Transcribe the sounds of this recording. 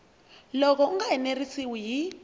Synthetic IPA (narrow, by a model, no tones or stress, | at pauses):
lɔk̬ɔuŋaɛnerisiwiɦi